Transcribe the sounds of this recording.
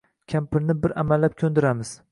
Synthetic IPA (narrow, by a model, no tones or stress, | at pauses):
kʲʰampɪɾnɪbɪɾa̰malːap̚kʲʰɵnd̪ɪɾamɪz̥